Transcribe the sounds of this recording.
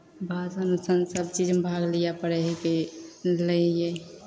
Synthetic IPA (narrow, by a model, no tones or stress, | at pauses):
bʱasənusənsəbt͡ʃid͡ʒmbʱaɡlijapəɽɛɦkeləje